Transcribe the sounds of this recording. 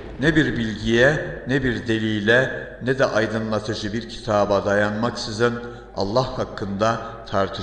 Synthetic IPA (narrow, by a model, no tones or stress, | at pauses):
nɛbiɾbilʲɟijɛnɛbiɾd̪e̞lʲiːlʲɛ | nɛd̪ɛʔajd̪ɯnlˠat̪ʰɯd͡ʒɯbiɾcʰi̥t̪ʰaːbad̪ajanmaksizɯn | a̰lˠːahhakʰːɯnd̪at̪ʰaɾt̪ʰɯʃ